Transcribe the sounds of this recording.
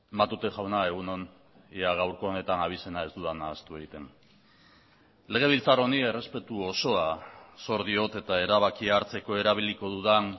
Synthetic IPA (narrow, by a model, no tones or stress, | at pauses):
mat̪ut̪e̞ʝawnae̞ɣ̞uno̞n | iaɣ̞awɾko̞ːne̞t̪anaβ̞ise̞nae̞zd̪uðanaːst̪ue̞ɣ̞it̪e̞n | le̞ɣ̞e̞β̞ilt͡saɾo̞nie̞re̞spe̞t̪uoso̞aso̞ɾðio̞t̪e̞t̪ae̞ɾaβakiaɾt͡se̞ko̞e̞ɾaβ̞iliko̞ðuðan